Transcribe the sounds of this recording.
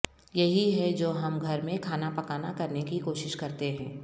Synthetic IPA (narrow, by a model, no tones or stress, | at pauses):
jɐɦiɦɛd͡ʒoːɦɐmɡʱɐɾmẽkʰaːnapɐkaːnakɐɾnekikoːʃɪʃkɐɾt̪eɦɛ̰̃ː